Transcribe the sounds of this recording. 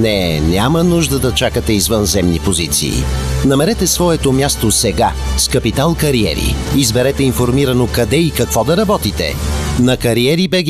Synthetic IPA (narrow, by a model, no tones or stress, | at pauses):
nɛnʲjamənuʒd̪əd̪ɐt͡ʃakət̪ɛizvənzɛmnipozit̪sḭːnɐmɛɾɛt̪ɛsvɔɛt̪omʲjast̪osɛɡaskɐpit̪alˠkɐɾiɛ̰ɾḭizbɛɾɛt̪ɛinfoɾmiɾɐnokɐd̪ɛikɐkvɔd̪ɐɾɐbɔt̪it̪ɛ̰nɐkɐɾiɛɾibɛɡ